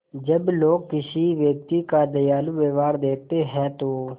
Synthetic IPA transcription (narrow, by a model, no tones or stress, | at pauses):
d͡ʒəbloːkːɪsiːʋjəːk̚t̪iːkaːd̪əjaːluːʋeːʋaːɾd̪eːt̪eːɦɛ̃ːt̪oː